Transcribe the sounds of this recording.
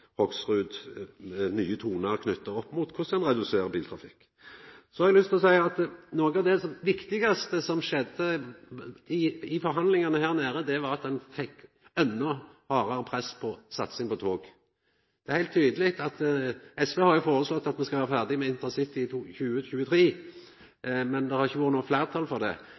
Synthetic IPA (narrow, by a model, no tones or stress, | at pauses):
hɔksʁʉːd̪ | nyːət̪ʰuːnɑɾkʰnʏt̪ːəɾɔpːmʊt̪kʰʊsɛnɾɛd̪ʉseːɾəbiːlt̪ʰɾɑfɪkː | sɔhɑɾɛɡlʏst̪ʰɪlɔsæɪɑt̪noːɡɑʋd̪ɛʋɪkt̪ɪɡɑst̪əsɔmʃɛd̪ə | ɪɪfɔɾɦɑnd̪lɪŋɑnəhæːʁnæːɾəd̪ɛʋɑɾɑt̪̚d̪ɛnfɛkː | ɛnːɔhɑːɾɑɾəpʰɾɛspʰɔsɑt̪sɪŋpɔt̪ʰoːɡ | d̪̥ɛæɾhæɪlt̪t̪ʰːyːd̪əlɪkt̪ɑt̪ɛsʋehɑɾjʊfoːɾəslɔt̪ːɑt̪mɛnskɑʋæːɾfæʁd̪ɪmɛɪnt̪ənsɪt̪ːɪçʉːəçʉːət̪ʰɾiː | mɛnd̪ɛhɑɾʁɪçːəʋoːɾt̪nuːflæːɾt̪ʰɑlfɔɾd̪ɛ̰